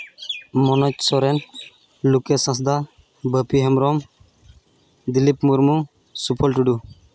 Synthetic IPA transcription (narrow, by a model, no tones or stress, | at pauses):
mɔnɔc̚sɔɾɛn | lukɛsãs̬d̪a | bəpiɦɛmɾɔm | d̪ilipmuɾmu | supʰɔlʈuɖu